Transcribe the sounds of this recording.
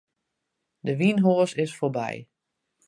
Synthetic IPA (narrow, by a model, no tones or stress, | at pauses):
dəʋinɦoəsɪsfoɹbɛ̰j